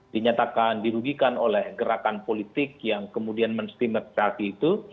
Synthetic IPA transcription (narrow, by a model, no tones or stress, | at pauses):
diɲat̪akandiɾuɡikanolɛhɡəɾakanpolit̪ɪkjaŋkəmudianmənst̪imət̪̚satiːt̪u